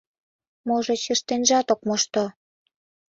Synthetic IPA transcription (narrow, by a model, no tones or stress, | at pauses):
moʒet͡ɕeʃt̪enʒɑt̪okmoʃt̪o